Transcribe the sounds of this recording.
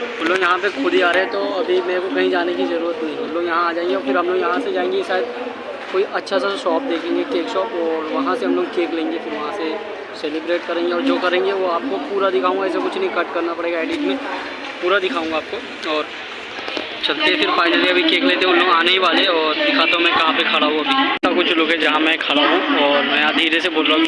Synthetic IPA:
ʊnloːɡjɐɦãp̬ekʰʊɽiaːɾeẽt̪oɐbʱimɛ̃kokɐɦĩd͡ʒaːnekizɐɾuːɾət̪nɐɦĩʊnloːɡjɐɦãaːd͡ʒaːẽːŋɡeɔːɾfɪɾɦɐ̃mloːɡjɐɦãsed͡ʒaːẽːŋɡiʃaːjəd̪̚ | koːiʔɐtːʃʰasaʃɔːp̚d̪eːkʰẽːŋɡekeːkʃɔːpɔːɾʋɐɦãseɦɐmloːɡkeːklẽːŋɡefɪɾʋɐɦãse | seːlɪbɾeːʈkɐɾẽːŋɡeɔːɾd͡ʒoːkɐɾẽːŋɡeʋoaːp̚kopuːɾad̪ɪkʰaːũːŋɡaɛːs̬akʊt͡ʃʰnɐɦĩkɐʈkɐɾnapɐɽeːɡaɛːɖiːʈmẽ | puːɾad̪ɪkʰaːũŋɡaːp̚ko | ɔːɾ | t͡ʃɐlt̪eɦɛ̃fɪɾfaːɪnəliɐbʱikeːkleːt̪ẽɦʊ̃nloːɡaːneɦiʋaːleɔːɾd̪ɪkʰaːt̪aɦũmɛ̃kɐɦãpekʰɐɽaɦũɐbʱisakʊt͡ʃʰloːɡɦɛd͡ʒɐɦãmɛ̃kʰɐɽaɦũɔːɾmɛ̃ɐd̪ʱiːɾeseboːlɾaːɦũk

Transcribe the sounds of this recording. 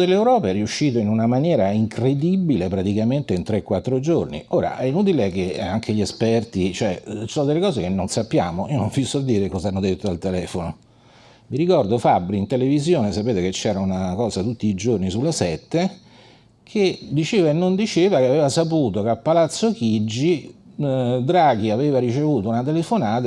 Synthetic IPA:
d̪elːewɾɔːpaɛɾiuʃːiːt̪̬oinunamanjɛːɾaiŋkɾed̪ibilepɾat̪ikament̪eint̪ɾekːwat̪ːɾod͡ʒornḭoːɾa̰ʔɛinuːt̪̬ilek̟eaŋkʰeʎiespɛrt̪it͡ʃoɛssoːnod̪elːekɔːzekenːonsapːja̰ːmoiːonõɱfjusoad̪ːiːɾekɔzaanːod̪et̪ːoalt̪elɛːfono | miɾikɔrd̪ofabːɾint̪elevizjoːnesapeːt̪eket͡ʃːɛːɾaunakɔːzat̪ut̪ːiːd͡ʒornisulːesɛt̪ːe | kʰed̪it͡ʃeːvaenːond̪it͡ʃeːvakeaveːvasapuːt̪okeapːalat̪sːokid͡ʒːi | d̪ɾaːɡ̟iaveːvaɾit͡ʃevuːt̪ounat̪̬elefonaːt̪a

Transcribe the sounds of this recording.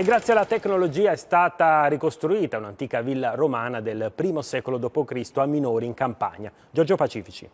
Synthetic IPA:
eɡɾat̪sːjealːat̪ekːnolod͡ʒiːaɛst̪aːt̪aɾikost̪ɾuiːt̪aunant̪iːkavilːaɾomaːnad̪elpɾiːmosɛːkolod̪oːpokɾist̪oamːinɔːɾiːŋkampa̰ɲːa̰ | d͡ʒɔrd͡ʒopat͡ʃiːfit͡ʃḭ

